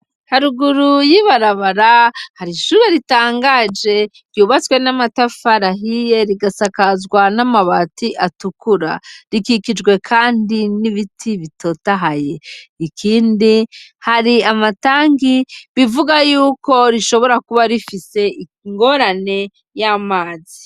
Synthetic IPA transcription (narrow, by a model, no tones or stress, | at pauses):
haɾuɡuɾujiβaɾaβaɾahaɾiʃuːɾe̞ɾitaːŋɡad͡ʒe̞ | ɾjuβat͡swe̞namatafaɾaɦije̞ɾiɡasakazɡwanamaβatiʔatukuɾa̰ɾikikid͡ʒɡwe̞kʰaːndiniβitʰiβitʰo̞taɦaje̞ikʰiːndihaɾiamataːŋɡiβivuɡajuːko̞ɾiʃo̞βo̞ɾakuβaɾifise̞i | ŋɡo̞ɾane̞ | jamaːzi